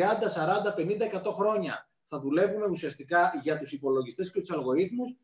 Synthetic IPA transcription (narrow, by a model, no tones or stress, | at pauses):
iɐnd̪ɐsɐɾɐnd̪ɐpe̞nind̪ɐekɐt̪o̞xɾo̞ɲɐ | θɐðule̞vume̞usiɐst̪ikɐʝɐt̪usipo̞lo̞ʝist̪e̞sce̞t̪u̥sɐlɣo̞ɾiθmus